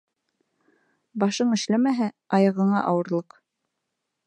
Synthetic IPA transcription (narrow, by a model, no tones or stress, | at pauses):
bɑʃɤɴɘ̆ʃlæmæɦæɑjɑ̆ʁɤ̆ɴɑʔɑwɤ̆ɾlˠɤq